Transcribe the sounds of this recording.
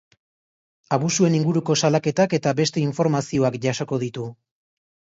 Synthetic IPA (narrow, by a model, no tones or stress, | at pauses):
aβusue̞niŋɡuɾuko̞salake̞t̪ake̞t̪abe̞st̪e̞iɱfo̞ɾmasio̞akʝaso̞ko̞ðit̪u